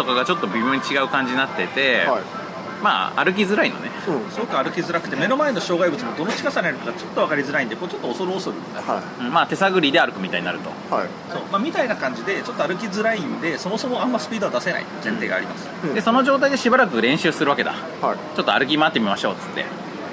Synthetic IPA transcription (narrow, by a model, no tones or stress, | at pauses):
t̪okaɡat͡ɕo̞t̪ːo̞bʲimʲjo̞ːɲ̟it͡ɕiɡaɯ̟kãɲ̟d͡ʑiɲinat̪ːe̞t̪e̞ | ma̰ːa̰ɾɯ̟k̬ʲizɨɾainone̞soskːaɾɯ̟kʲizɨɾakɯ̥t̪eme̞no̞mae̞no̞ɕo̞ːɡaibɯt͡sɨmod̪o̞not͡ɕiɡasaɾeɾɯt̪okat͡ɕo̞t̪ːo̞β̞akaɾʲizɨɾaĩnekot͡ɕo̞t̪ːoːso̞ɾɯːsoɾɯ̰nd̪a | ɯ̟̃ɴmaːt̪e̞saɡɯ̟ɾʲid̪e̞aɾɯ̟kɯ̟mit̪a̰iɲina̰ɾɯ̟t̪o̞̰ha | so̞̰ːmamʲit̪ainakãɲ̟d͡ʑid̪e̞t͡ɕo̞t̪ːoaɾɯ̟k̬ʲizɨɾaĩnd̪e̞so̞mo̞so̞moãmːasɨ̥pʲiːd̪o̞ad̪ase̞na̰ḭt̪zẽ̞nt̪e̞ːɡa̰ːɾʲimasɨ̥d̪e̞so̞no̞ʑo̞ːt̪aid̪e̞ɕibaɾakɯ̟ɾẽ̞ɕɨːsɨɾɯ̟βake̞d̪a̰ | hat͡ɕo̞t̪ːoa̰ɾɯ̟k̬ʲimaːt̪ːemʲimaɕo̞ːt͡sɨ̥t̪ːe̞̰